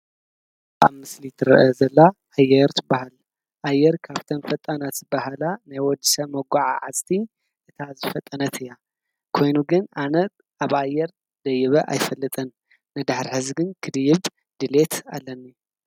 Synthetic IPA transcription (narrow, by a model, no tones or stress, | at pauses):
ʔa̰βmɨslit̪ʰɨɾɨ̰ʔɐzɐlːaʔajːɛɾt̪ʰɨbahal | ʔajːɛɾkʰaβt̪ʰɐnfɐt̪ʼːɐnat̪ɨbahalanajwɔd͡ʒ̪i̥sɐmɐɡʷaʕa̰ʕazt̪ʰi | ʔɨt̪ʰazɨfɐt̪ʼːɐnɐt̪ʰɨjːa | kʰo̞jnuɡɨnʔanɐt̪ | aβajːɛɾ | d̪̥ɐjɪβɐʔa̰jfɐlːɨt̪ʼɐnː | ɨd̪aħɾiħɨzɡɨnkʰɨd̪ɨjɪβ | d̪̥ɨle̞t̪a̰lːɐnːi